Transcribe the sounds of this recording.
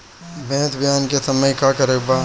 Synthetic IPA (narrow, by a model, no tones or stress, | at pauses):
bɛ̃ːt̪bʱjaːnkesɐməjkakɐɾekbaː